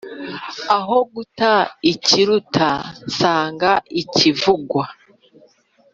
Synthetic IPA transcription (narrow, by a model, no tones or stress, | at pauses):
aɦo̞ɡutaiciɾutʰasaːŋɡaicivuɡwa